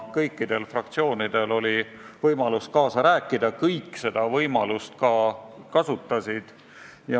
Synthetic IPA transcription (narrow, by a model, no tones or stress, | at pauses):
kɤjkˑːid̪̥e̞lfrɑkt̪sio̞ːnid̪̥e̞lo̞lʲi | vɤjmɑluskɑːsɑɾæːkːˑid̪̥ɑkɤjkːˑse̞d̪̥ɑvɤjmɑlust̪̚kɑkɑsut̪ːˑɑsid̪̥ | jɑ